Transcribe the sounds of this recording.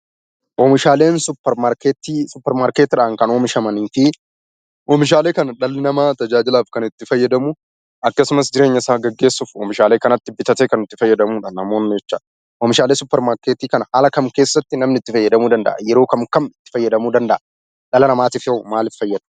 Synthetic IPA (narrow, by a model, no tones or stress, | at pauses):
ʔɔːmɪʃaːle̞ːnsʊpːɛɾmaːɾkeːt̪iːsʊpːɛɾmaːɾket̪ːɪᶑaːŋkɐnoːmɪʃɐmɐniːfɪ | ʔɔmɪʃ̬aːle̞ːkɐnɐᶑɐlːɪnɐmaːt̪ɐd͡ʒaːd͡ʒɪlaːfkɐnɪt̪ːɪfɐjːɐd̪ɐmʊ | ʔɐkːɐsʊmɐsd͡ʒɪɾe̞ːɲːɐɪsaːɡɐɡːe̞ːsːʊfɔːmɪʃaːle̞ːkɐnɐt̪ːɪbɪt̪ɐt̪eːkɐnɪt̪ːɪfɐjːɐd̪ɐmuːᶑanːɐmoːnɪd͡ʒɛt͡ʃːa | ʔɔːmɪʃaːleːsʊpːɛɾmaːɾkeːt̪iːkɐnɐhaːlɐkɐmke̞ːsːɐt̪ːɪnɐmnɪt̪ːɪfɐjːɐd̪ɐmuːd̪ɐnd̪ɐ̰ʔɐjɛɾo̞ːkɐmkɐmɪt̪ːɪ̥fɐjːɐd̪ɐmuːd̪ɐnd̪ɐ̰ʔɐ | ᶑɐlɐnɐmaːt̪iːfɪhomaːlɪffɐjːɐd̪